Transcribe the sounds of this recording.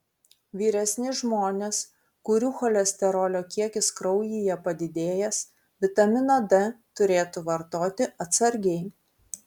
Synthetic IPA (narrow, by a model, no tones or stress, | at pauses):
ʋʲiːɾʲɛsʲnʲɪʒmoːnʲeːs | kʊɾʲuːxɔlʲɛsʲt̪ʲɛɾɔːlʲoːkʲiɛkʲɪskɾɒʊjiːjɛpɐd̪ʲɪd̪ʲeːjɛs | ʋʲɪt̪ɐmʲɪnɐd̪ɛt̪ʊɾʲeːt̪uʋɐɾt̪oːt̪ʲɪʔɐt̪sɐɾʲɡʲɛɪ